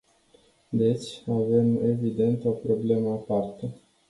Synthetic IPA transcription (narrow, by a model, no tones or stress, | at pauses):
d̪e̞t͡ʃʲave̞me̞vid̪e̞nt̪o̞pɾo̞ble̞məapart̪ə